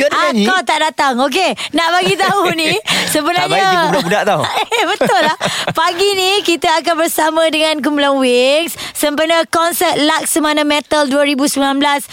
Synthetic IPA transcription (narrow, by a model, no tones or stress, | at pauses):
aakawt̪aʔdat̪aŋok̬enaʔbaɡit̪aunisəmbənaɲalabudaʔt̪awbət̪ʊlahpaɡinikit̪aak̬anbərsamãdəŋãnk̬əmulaŋwɪŋsːəmpərnəkɔnsət̪̚lak̚səmanamɛ̃t̪əlduəɾibusəmilanblas